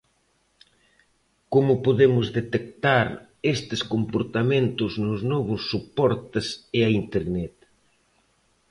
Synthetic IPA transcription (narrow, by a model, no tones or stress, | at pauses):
komʊpoðemʊzðet̪ek̚t̪aɾ | est̪ɪskompoɾt̪ament̪ʊznʊznɔβʊsːupɔɾt̪esɪaint̪eɾnɛt̪